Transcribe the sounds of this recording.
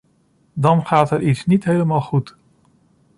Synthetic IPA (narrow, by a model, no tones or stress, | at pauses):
dɑnχaːtɦɛritsnitɦejləmaːlˠχut